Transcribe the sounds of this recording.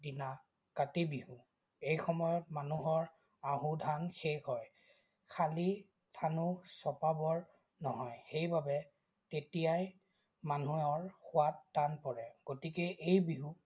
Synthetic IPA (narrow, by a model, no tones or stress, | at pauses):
dina | katibiɦu | ejxɔmɔjɔtmanuɦɔɹ | aɦũdʱaŋxexɦɔj | kʰali | tʰanʊsɔpabɔɹ | nɔɦɔjxejbabɛ | tetijaj | manuɔɹxʊwatːanpɔɹɛɡ̥otikɛʔejbiɦu